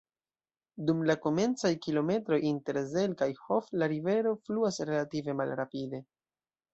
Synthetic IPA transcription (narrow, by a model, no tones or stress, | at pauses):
dumlako̞me̞nt͡sajkilo̞me̞tɾo̞jinte̞ɾze̞lkajho̞flaɾive̞ɾo̞fluasɾe̞lative̞malɾapide̞